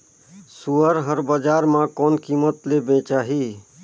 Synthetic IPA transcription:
suəɾɦəɾbəd͡ʒaɾmãkɔnkimət̪lebẽt͡ʃaɦi

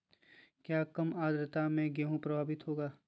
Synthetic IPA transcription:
kjaːkɐmaːd̪ɾət̪amẽɡeːɦũpɾɐbʱaːbɪt̪ɦoːɡaː

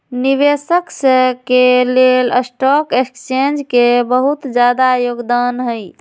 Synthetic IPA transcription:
niβesəksə̃keleləsʈɔkekt͡ʃend͡ʒkebəɦut̪d͡ʒjad̪ajoɡd̪anɦəj

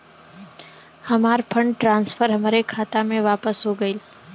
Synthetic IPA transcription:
həmaːɾpʰəɳɖʈɾãːnsfʰəɾɦəmɾekʰaːt̪amẽʋaːpəsɦoɡəil

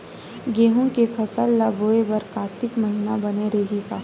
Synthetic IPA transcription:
ɡeːɦõkepʰɐsəlːaːbʱoːebɐɾkaːt̪ɪkmɐɦinabɐneɾeɦikaː

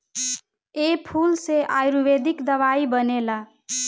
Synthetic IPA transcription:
epʰulseʔajɾubed̪ikd̪əβaibʌnela

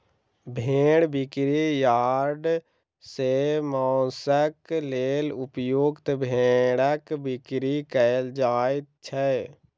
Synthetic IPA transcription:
bʱẽːɽbɪkɾijaːɾɖ | semaːsəkleːlʊpjoːɡt̪bʱẽːɽəkbɪkɾikəld͡ʒaːet̪t͡ʃʰɛ

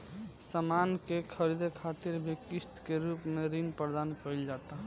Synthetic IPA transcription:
səmankekʰəɾid̪ekʰat̪iɾbʱekist̪keɾupmeɾinpɾəɾd̪ankəɪld͡ʒat̪aɦ

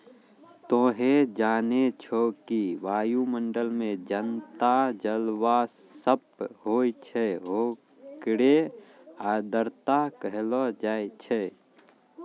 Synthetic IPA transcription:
t̪oːɦed͡ʒaːnet͡ʃʰokiʋaːjuməɳɖəlmẽd͡ʒənt̪ad͡ʒəlwa | səp̚ɦoːit͡ʃʰɛɦo | kɽe | aːd̪ʱəɾt̪akəɦlɔd͡ʒaːt͡ʃʰɛ

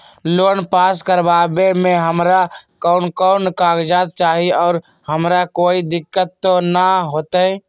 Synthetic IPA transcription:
loːnpaːskəɾbabemẽɦəmɾakəʊnkəʊnkaːɡd͡ʒat̪̚t͡ʃaːɦiɔːɾ | həmɾakoːid̪ɪkːət̪ːonaɦoːt̪ə

